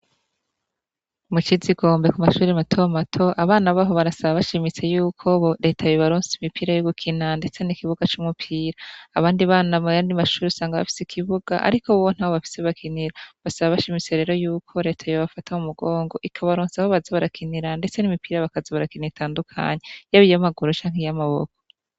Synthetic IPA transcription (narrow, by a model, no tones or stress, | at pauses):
mut͡ʃiziɡo̞ːmbe̞kumaʃuːɾimatʰo̞matʰo̞ʔaβaːnaβaɦo̞βaɾasaβaβaʃimit͡se̞juːkʰo̞ɾe̞ːtʰajoβaɾoːnsimipʰiːɾajoɡukʰinande̞t͡se̞nikiβuɡat͡ʃumupʰiːɾaːβaːndiβaːnamujaːndimaʃuːɾesaːŋɡaβa̰fi̥sikʰiβuɡaʔa̰ɾikouwon̥hahoβafi̥seβakʰiniɾaβasaβaβaʃimit͡se̞ɾe̞ːɾo̞juːkʰo̞ɾe̞ːtʰajoβafatʰaumuɡoːŋɡo̞ʔikʰaβaɾoːnsahoβazaβaɾakʰiniɾande̞t͡se̞nimipiːɾaβakazaβaɾakiniitʰaːndukʰa̰ɲejaβijamaɡuɾot͡ʃaːŋ̥hejamaβo̰kʰo̥